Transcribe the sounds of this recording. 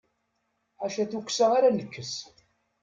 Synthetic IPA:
ħaʃæθukʷːsəʁaɾanəkːəs

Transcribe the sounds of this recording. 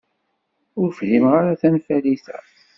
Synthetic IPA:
ʊɾfhimʁaɾaθænfæliθæ̰

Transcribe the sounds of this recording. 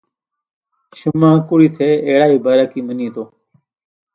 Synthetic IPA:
ʃʊmãːkʊɽiːt̪ʰeːeːɽaːiːbʱaːɾaːkiːmənĩːt̪oː

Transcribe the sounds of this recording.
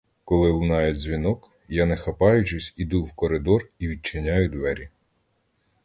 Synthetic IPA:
kɔlˠɪlˠnɑjʊdʲzʲʋʲinɔk | janɛxɐpɑjʊt͡ʃɪsʲid̪uwkɔɾɪd̪ɔriʋʲid̪̚t͡ʃɪnʲajʊd̪ʋɛɾʲi

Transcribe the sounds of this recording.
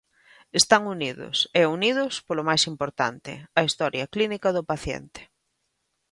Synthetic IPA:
est̪aŋuniðʊ̰sɛunið̞ʊspolʊmajsimpoɾt̪a̰nt̪ɪ̰ɐist̪ɔɾjɐklinikɐðʊpaθjɛ̰nt̪ɪ̥

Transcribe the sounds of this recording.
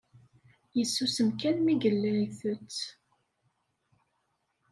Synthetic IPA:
jəsːusəmkænmiɡəlːæɾiθət͡sː

